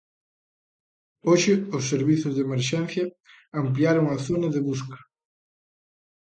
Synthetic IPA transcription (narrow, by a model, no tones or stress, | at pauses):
oʃɪʊsːeɾβiθʊzðemeɾʃɛn̟θjɐː | mpliaɾoŋaθonaðeβuskɐ̥